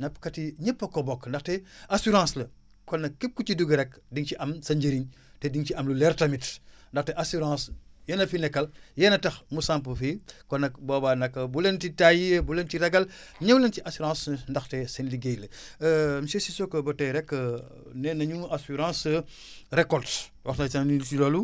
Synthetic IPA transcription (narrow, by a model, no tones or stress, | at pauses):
nɐpkɐtiɲɛpːɐkɔbɔkːndɐxtɛasuɾɑ̃slɐ | kɔnːɐkkːep̚kut͡ʃiduɡɾɛkdiŋciʔɐmsɐɲɟeɾiɲ | tɛdiŋt͡ʃiɐmlulɛrtɐmitndɐxtɛʔasuɾãːsjɛnɐfinɛkːɐljɛnɐtɐxmusãmpəfikɔnɐkbɔːbanɐkːɐbulentitajiəbulentiɾɛɡɐl | ɲɛwlentiʔasuɾãːsndɐxtɛsenliɡejlɐ | msesisɔkːɐbɐtɛɾɛkːə | nɛnɐɲuasuɾɑ̃ːs | rɛkɔlt | wɐxtnɐsɐniltilɔːlu